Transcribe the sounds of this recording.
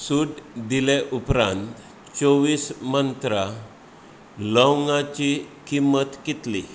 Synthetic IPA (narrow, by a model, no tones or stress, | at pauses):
suʈd̪ileʔupɾãnt̪ | t͡ɕoʋiːsmənt̪ɾa | ləwŋɡat͡ɕikimət̪kit̪lḭ